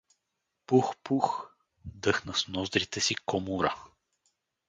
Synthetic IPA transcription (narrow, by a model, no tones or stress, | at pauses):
puxpux | d̪ɤxnəsnɔzd̪ɾit̪ɛsikɔmuɾə